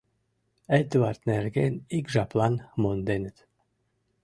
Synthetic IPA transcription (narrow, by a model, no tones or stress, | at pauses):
ɛd̪vaɾt̪nɛɾɡɛniɡʒaplˠanmɔnd̪ɛnt̪